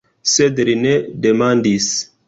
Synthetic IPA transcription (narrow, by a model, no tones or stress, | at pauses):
sedlinedemandis